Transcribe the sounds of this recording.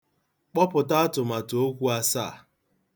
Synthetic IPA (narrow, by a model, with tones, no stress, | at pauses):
k͡pɔ˦pʊ˨ta˦a˦tʊ˨ma˨to˦kʷu˦a˦sa̰ː˦˨